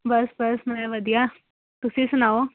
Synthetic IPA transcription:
bəsbəsm̤əɾaʋəd̪ja | t̪usiːsnaʋo

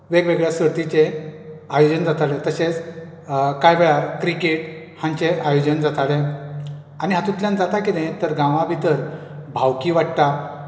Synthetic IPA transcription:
ʋeɡʋeɡɭjasəɾt̪it͡ɕeajod͡ʑənd͡zat̪alet̪əɕet͡s | kajbɛɭakɾikeʈ | hãɲt͡ɕeʔajod͡ʑənd͡zat̪ale | aniɦat̪ut̪ljãnd͡zat̪akid̪ẽt̪əɾɡãʋãbʱit̪əɾ | bʱawkiʋaʈt̪a

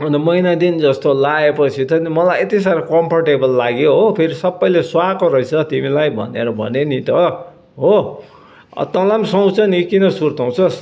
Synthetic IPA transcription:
ʌnd̪ʌmʌjnad̪ind͡zʌst̪olaepʌt͡sʰit̪ʌnimʌlajet̪isaɾkʌmpʰʌrʈebʌlːaɡjoɦopʰeɾisʌbːʌjleswakoɾʌjt͡sʰʌt̪imilajbʱʌ̰nḛɾʌbʱʌ̰nenit̪ʌ | ɦo̰ | t̪ʌlamsʌw̃t͡sʰʌnikinʌsurt̪ʌw̃t͡sʰʌs

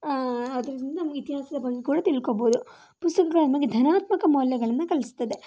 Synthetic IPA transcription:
ɐd̪ɐɾɐɾind̪ɐnɐmɐɡeit̪iɦaːsɐd̪ɐbɐŋɡekuːɽɐt̪ilkoboːd̪u | pust̪ɐkɐɡɐɭɐd̪mɐɡed̪ʱɐnaːt̪mɐkɐmɐːljɐɡɐɭɐnːɐkɐlist̪ɐd̪e

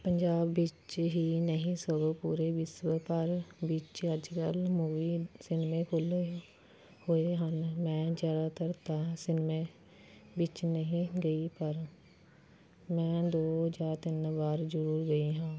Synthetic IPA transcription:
pəɲd͡ʒaːbːɪt͡ʃɦiːnəɦĩːsəɡopuːɾeːbɪsbpəɾbɪt͡ʃəd͡ʒkəlmuːʋiːsɪnmẽːkʰʊle | hoːeɦənmɛ̃ːd͡ʒjaːd̪aːt̪əɾt̪asɪnmeː | bɪt͡ʃnəɦĩːɡəiːpəɾ | mɛ̃ːd̪oːd͡ʒaːɾt̪ɪnbaːɾd͡ʒəɾuːɾɡəiːɦãː

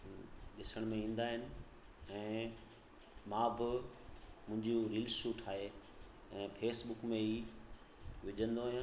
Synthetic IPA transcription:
ɗɪsəɽ̃mẽĩːn̆d̪aːɦɪnɪ̆ | ɛ̃ː | mãːbɪ | mʊ̃ɦɪ̃ɲd͡ʑuɾiːlsuːʈʰaːɦe | ɛ̃ːpʰeːsɓʊkmẽiː | ʋɪʄʱə̃nd̪oːɦjãː

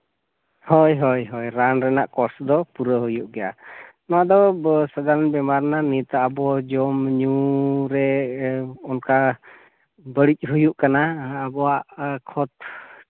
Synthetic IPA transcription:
hɔjɦɔjɦɔjɾanɾɛna̰ʔkɔɾsd̪ɔpuɾəɦujuʔɡɛja̰nɔwaʔd̪ɔsad̪aɾnbɛmaɾnanit̪aʔːbɔd͡ʒɔmɲuɾɛ | ɔnka | bəɽic̚ˀɦujuʔkanaːbɔwaʔkʰɔt̪̚

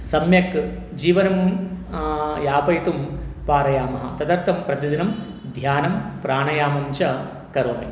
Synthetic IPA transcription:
sɐmjɐk | d͡ʒiːʋɐnɐm | jaːpɐjt̪umpaːɾɐjaːmɐɦɐ̰t̪ɐd̪ɐɾt̪ʰɐmpɾɐt̪ɐd̪inɐm | d̪ʱjaːnɐmpɾaːɳɐjaːmɐɲt͡ʃɐ | kɐɾoːnḭ

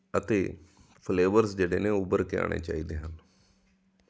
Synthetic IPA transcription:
ət̪eː | pʰleːʋəɾsd͡ʒeːɽeːneːʊbəɾkɪa̰ːɽ̃ʔḛːt͡ʃaːiːd̪eːɦən

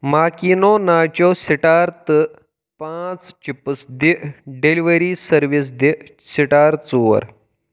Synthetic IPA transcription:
makinonat͡ɕɔsiʈaɾt̪ə | pãt͡st͡ɕipəsd̪eɖeliʋəɾisəɾʋis̬d̪e | siʈaɾt͡suʋə̰ɾ

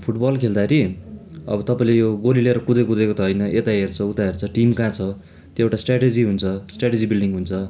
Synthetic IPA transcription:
pʰuʈbʌlkʰeld̪aeɾiʌ̰bʌt̪ʌpãĩlejoɡolileɾʌkud̪ʌjkud̪ekot̪ʌɦʌjnʌʔet̪aɦert͡sʰʌut̪aɦert͡sʰʌʈimkãt͡sʰʌ | t̪joewʈasʈraʈed͡ziɦunt͡sʰʌsʈraʈed͡zibilɖiŋɡɦunt͡sʰʌ

